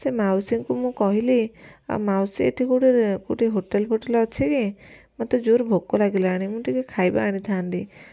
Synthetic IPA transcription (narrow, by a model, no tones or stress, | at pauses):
semawsiŋkumũkɔɦilia̰mawsiḛʈʰikuʈeɾkuʈeɦoʈelpoʈelɔt͡ʃʰikimat̪ɔd͡ʒoɾbʱokːɔlaɡilɛaɽ̃imũʈikekʰajbaːɽ̃it̪ʰant̪i